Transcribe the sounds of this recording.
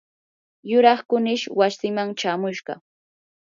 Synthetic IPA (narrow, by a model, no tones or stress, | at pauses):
jʊɾɑχkʊnɪʃwasɪmaŋt͡ʃaːmʊʃɢɑ̰